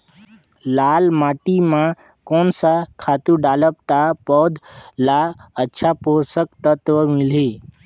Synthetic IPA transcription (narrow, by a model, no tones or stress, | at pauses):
laːlmaːʈimã | koːnsakʰaːt̪uɖaːləp̚t̪apɔːd̪laətːʃʰaposəkt̪ət̪ʋəmɪli